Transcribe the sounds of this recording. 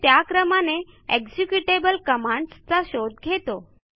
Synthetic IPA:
t̪jakɾəmane | eɡd͡ʑikjuʈebəlkəmãɳɖst͡saɕod̪ɡʱet̪o

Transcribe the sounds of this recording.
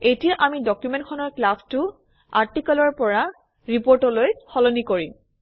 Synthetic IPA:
etijaʔamidɔkjumɛntkʰɔnɔɹklastu | aɹtikɔlɔɹpɔɹa | ɹipoɹtɔlojxɔlɔnikoɹim

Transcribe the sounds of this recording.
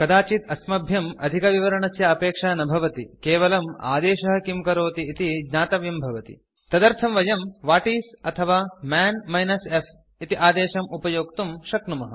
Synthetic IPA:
kɐd̪aːt͡ʃit̪ɐsmɐbʱjɐmɐ̰d̪ʱikɐʋiʋɐɾɐɳɐsjɐɐpeːkʂaːnɐbʱɐʋɐt̪ikeːʋɐlɐma̰ːd̪eːʃɐɦɐ̆kimkɐɾoːt̪iːt̪iɡɲaːt̪ɐʋjɐmbʱɐʋɐt̪ḭ | t̪ɐd̪ɐɾt̪ʰɐmʋɐjɐmʋaːʈiːsɐt̪ʰɐʋaːmɛːnmɐjnɐsef | it̪iʔaːd̪eːʃɐmupɐjoːkt̪umʃɐknumɐɦɐ̰

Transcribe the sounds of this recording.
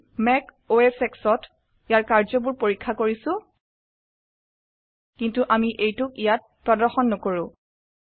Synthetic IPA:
mɛk | oesɛksɔt | ijaɹkaɹzɔbuɹpoɹikʰːakoɹisʊ̃ | kintuʔamiʔejtʊkijat̚pɹɔdɔɹxɔnːɔkoɹʊ̃

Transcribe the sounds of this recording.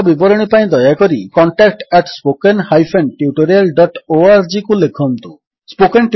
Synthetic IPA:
bibɔɾɔɽ̃ipaĩd̪ɔjakoɾikɔɳʈak̚ʈɛʈspokenhajpʰenʈjuʈoɾialɖɔʈoaɾd͡ʒikulekʰɔnt̪u | spokenʈ

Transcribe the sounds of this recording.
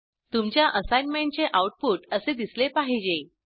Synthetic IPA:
t̪umt͡ɕjaʔəsajnmeɳʈ̚t͡seʔauʈ̚puʈəsed̪islepaɦid͡ʑe

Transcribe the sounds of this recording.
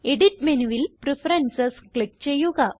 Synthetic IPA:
eɽiʈ̚menuʋilpɾifɾensɐskɭek̚t͡ɕejuɡa

